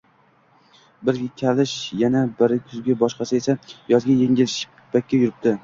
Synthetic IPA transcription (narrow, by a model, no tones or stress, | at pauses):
bɪɾkʲʰalɪʃjanabɪɾɪkʲʰʊzɡʲabɒʃqɑsɪesajɒzɡʲajeŋʲɪlʃ | b̥akʲːajʊɾɪp̚t̪ɪ